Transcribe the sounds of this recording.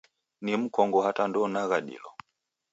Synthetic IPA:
nim̩kɔŋɡɔhatandɔnaɣaɗḭlɔ

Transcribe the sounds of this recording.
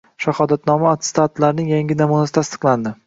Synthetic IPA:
ʃahɒd̪at̪nɒmaːt̪st̪at̪laɾnɪŋjaŋɡʲɪnamunasɪ̥t̪ʰast̪ɨ̥qlˠand̪ɪ

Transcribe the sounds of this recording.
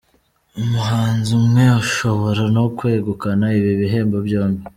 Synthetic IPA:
umuɦaːnzumŋe̞aʃo̞βo̞ɾanokwe̞ːɡukanaiβiβiɦe̞ːmbobjoːmbi

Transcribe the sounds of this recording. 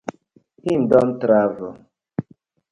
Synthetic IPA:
hindɔmtɾavɔ

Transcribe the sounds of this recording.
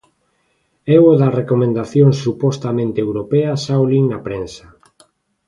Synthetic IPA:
ɛwoðɐrekomẽnd̪aθjoŋsːupɔst̪amẽnt̪eewɾopeɐsawliŋnɐpɾẽnsɐ

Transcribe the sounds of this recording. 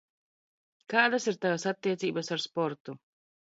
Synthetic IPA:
kaːd̪asiɾt̪avasat̪ːiɛt̪siːbasaɾspɔɾt̪u

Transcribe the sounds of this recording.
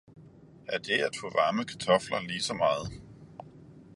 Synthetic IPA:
æɐd̥e̝æd̥fɔʋɑ̈ːməkʰæ̥t͡sʰɒ̽flɐliːsɒ̽mɑ̈ːð̞̩ˠ

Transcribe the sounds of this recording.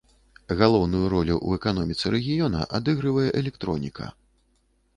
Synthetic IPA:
ɣalˠɔwnujuɾɔlʲuʔṵɛkanɔmʲit̪sɨɾɛɣʲijɔnɐ̰ʔad̪ɨɣɾɨvɐjɛʔɛlʲɛk̚t̪ɾɔnʲikʰɐ̰

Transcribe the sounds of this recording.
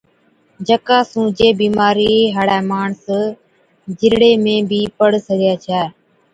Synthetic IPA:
d͡ʒəkaːsũːd͡ʒeːbiːmaːɾiːɦaːɽaːmaːɳs | d͡ʒɪɾɽeːmẽːbiːpəɽsəɡjaːt͡ʃʰaː

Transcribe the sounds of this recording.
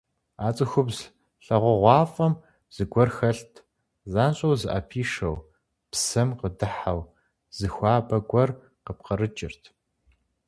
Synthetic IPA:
aːt͡sʼɨxʷʊbz | ɬɐʁʷʊʁʷɑːfʼɐm | z̥ɨɡʷɔrxɐɬtʰ | zaːnɕʼɐwzɨʔa̰pʰiːʂɐw | psɐmqədɨħaw | z̥ɨxʷaːbɐɡʷɔr | qəp̚qəɾɨt͡ʃʼɪ̰rtʰ

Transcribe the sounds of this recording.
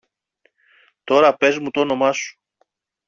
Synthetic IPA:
t̪o̞ɾɐpe̞zmut̪ono̞mɐsu̥

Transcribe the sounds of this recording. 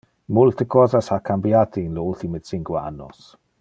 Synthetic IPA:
mʊltʰəɡʰɔðasakʰambjadinloːlθimɪd̥sɪŋɡwaa̰nɔ̰s

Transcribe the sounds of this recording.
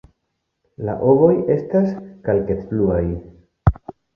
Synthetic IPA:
la̰ʔo̞βo̞je̞staskalketbluaj

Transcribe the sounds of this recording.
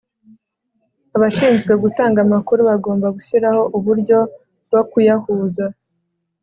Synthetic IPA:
aβaʃiːnzɡwe̞ɡutaːŋɡamakuɾuβaɡo̞ːmbaɡuçiɾaho̞ʔuβuɾɟo̞ | ɡokujahuːza

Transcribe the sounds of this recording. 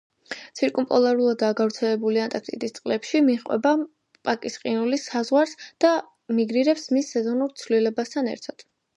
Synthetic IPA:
t̪sʰiɾkʼumpʼɔlˠaɾulˠad̪ːaɡavɾt̪sʰɛlɛbuliant̪ʼakʰt̪ʼḭd̪ist̪sʼqʼlɛpʃimiχʼwɛ̰ba | pʼakʼisqʼinulisazʁwaɾsd̪̥a | miɡɾiɾɛpsmisːɛzɔnuɾt̪sʰvlilɛbast̪ʰanɛ̰ɾt̪ʰad̪̥

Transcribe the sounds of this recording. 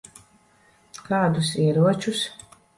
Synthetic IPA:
kaːd̪usiɛɾuɔt͡ʃus

